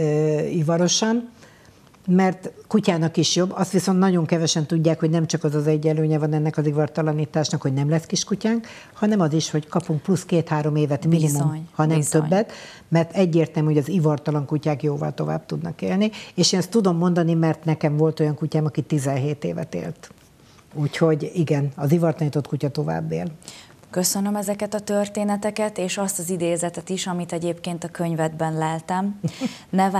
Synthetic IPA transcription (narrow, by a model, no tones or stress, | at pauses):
ivɒɾo̞ʃɒn | mɛrt̪kucaːnɒkiʃjo̞bːɒst̪ʋiso̞nt̪nɒɟo̞ŋkɛvɛʃɛnt̪uɟːaːkhoɟnɛmt͡ʃɒkɒzɒzɛɟːɛløːɲɛvɒnɛnːɛkɒzivɒrt̪ɒlɒniːt̪aːʃnɒkho̞ɟnɛmlɛskiʃkucaːŋk | hɒnɛmɒziʃho̞ckɒpuŋk̚pluskeːt̪haːɾo̞meːvɛt̪minimumhɒnɛmt̪øbːɛt̪ | mɛrt̪ɛɟːeːrt̪ɛlmhoɒzivɒrt̪ɒlɒŋkucaːkjoːvɒ̰lt̪o̞va̰ːb̥̚t̪ud̪nɒ̰kḛːlnieːʃeːnɛst̪ːud̪o̞mːo̞nd̪ɒnimɛrt̪nɛkɛɱvo̞lt̪o̞jɒŋkucaːmɒkit̪izɛnɦeːt̪eːvɛ̰t̪ḛːlt̪ | uːcho̞ɟiɡɛnɒzivɒrt̪ɒnit̪o̞t̪kucɒt̪o̞va̰ːbːḛːl | køsønømɛzɛkɛt̪ɒt̪ørt̪eːnɛt̪ɛkɛt̪eːʃɒst̪ɒzid̪eːzɛt̪ɛt̪iʃɒmit̪ɛɟeːpkeːnt̪ɒkø̞ɲvɛd̪bɛnlɛlt̪ɛmnɛ